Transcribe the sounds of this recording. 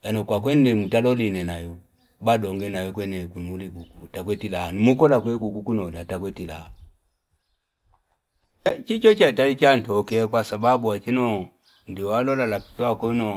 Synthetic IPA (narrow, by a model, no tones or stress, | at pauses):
janɔkwakwɛndɛmutalɔlinɛnajɔ | badɔŋɡɛnawɛkwɛnɛkunulikukutak̬wɛtilanimukɔlakwɛkukukunɔdatakwɛtila̰ | t͡ʃit͡ʃɔt͡ʃatait͡ʃan̩tɔkɛkwasababuat͡ʃinɔ | ndialɔlalapi̥takɔnɔ